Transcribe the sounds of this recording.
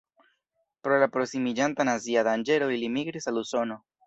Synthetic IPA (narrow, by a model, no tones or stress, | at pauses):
pɾolapɾoksimid͡ʒant̪anaziaðand͡ʒe̞ɾoilimiɡɾisaluso̞no̞